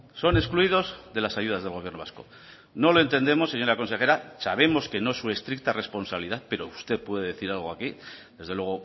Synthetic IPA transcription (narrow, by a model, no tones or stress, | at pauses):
so̞ne̞skluiðo̞zðe̞lasaʝuð̞azðe̞lɣo̞βjernoβasko̞̰ | no̞lo̞e̞nt̪e̞nd̪e̞mo̞sːe̞ɲo̞ɾako̞nse̞xe̞ɾasaβe̞mo̞ske̞noesːue̞st̪ɾik̚t̪are̞spo̞nsaβiliðaθpe̞ɾo̞ust̪e̞ðpwe̞ðeðe̞θiɾalɣ̞oaki | d̪e̞zðewe̞ɣ̞o̞